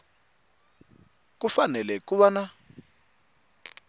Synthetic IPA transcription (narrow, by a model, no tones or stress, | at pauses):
k̬ufanɛlɛkuβana